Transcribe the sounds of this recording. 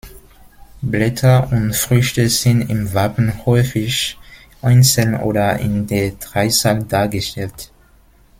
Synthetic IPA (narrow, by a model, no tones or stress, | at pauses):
blɛtʰɐʊntfʁ̥ʏçtəzɪntɪmvapn̩hɔʏfɪç | ʔaɪnsəl̩nʔo̰ːɾɐɪ̰ndeːɐdʁaɪsaldaːɐɡəʃtɛlt